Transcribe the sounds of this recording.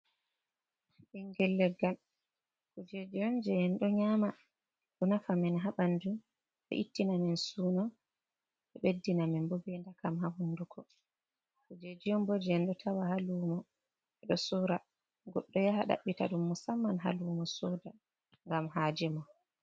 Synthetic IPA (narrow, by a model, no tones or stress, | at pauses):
ɗiŋɡɛlːɛɡal | kud͡ʒed͡ʒijɔnd͡ʒɛɛnɗɔɲama | ɗɔnafamɛnɦaɓandu | ɓɛ̰ʔitːinamɛnsuːnɔ | ɓɛɓedːinamɛnbɔbɛndakamɦahundukʰɔ | kud͡ʒed͡ʒiɔmbɔd͡ʒɛɛnɗɔtʰawahalumɔ | ɛɗɔsuɾa | ɡɔɗːɔjaɦaɗa̰ɓːita̰ɗumːɔsamːanɦa̰lumɔsɔda | ŋɡamɦad͡ʒɛmɔ